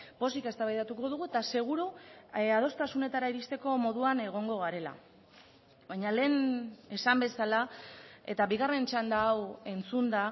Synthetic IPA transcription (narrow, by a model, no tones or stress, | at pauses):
po̞sike̞st̪aβajðat̪uko̞ð̞uɣue̞t̪ase̞ɣ̞uɾuað̞o̞st̪asune̞t̪aɾaiɾist̪e̞ko̞mo̞ðuane̞ɣ̞o̞ŋɡo̞ɣaɾe̞la̰ | βaɲale̞ːne̞sambe̞salae̞t̪aβiɣare̞nt͡ʃand̪aːwe̞nt͡sund̪a